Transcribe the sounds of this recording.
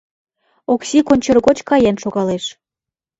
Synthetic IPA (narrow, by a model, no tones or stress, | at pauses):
oksikonʲt͡ɕɤrɣot͡ɕkɑjɑnʃoɣɑleʃ